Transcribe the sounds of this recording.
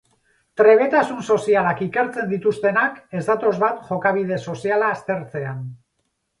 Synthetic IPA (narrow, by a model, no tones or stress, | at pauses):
t̪ɾe̞β̞e̞t̪asunso̞sialakike̞ɾt͡se̞nd̪it̪ust̪e̞nake̞zd̪at̪o̞zβat̪ʝo̞kaβ̞ið̞e̞so̞sialaːst̪e̞ɾt͡se̞an